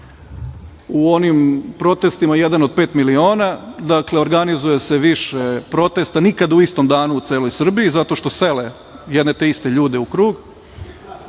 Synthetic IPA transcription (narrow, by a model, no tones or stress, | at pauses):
uo̞nimpɾo̞t̪e̞st̪imajed̪anod̪̚pe̞ːt̪milio̞ːnad̪akle̞o̞ɾɡanizuje̞se̞ʋiʃepɾo̞t̪e̞st̪anikad̪auist̪o̞md̪aːnuːt̪seːlo̞jsr̩biizat̪o̞ʃt̪o̞se̞le | jɛd̪ne̞t̪e̞ist̪e̞ʎuːd̪eukɾuːɡ